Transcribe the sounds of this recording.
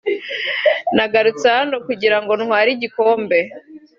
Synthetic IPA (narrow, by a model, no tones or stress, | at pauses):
naɡaɾut͡sanokuɟiɾaŋɡo̞nhwaːɾiɟiko̞ːmbe̞